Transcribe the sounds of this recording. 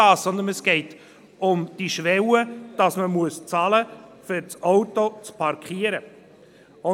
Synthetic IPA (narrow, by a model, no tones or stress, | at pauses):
ɑːsɔnd̪ənɛsɡ̥ɛɪt | ʊmd̥iʃʋɛwəd̥ɑsməmuəst͡sɑləfʏɾt͡sɔwtot͡spʰɑɾkχiːəɾə | ʊ